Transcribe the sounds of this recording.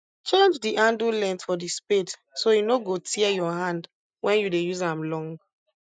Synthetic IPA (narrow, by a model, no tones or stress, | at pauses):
t͡ʃẽnd͡ʒdiʔãndulɛ̃ntfɔdispet | sojunoɡotʰiɛjɔɦãnd | wɛ̃njudejuzãmlɔ̃ŋɡ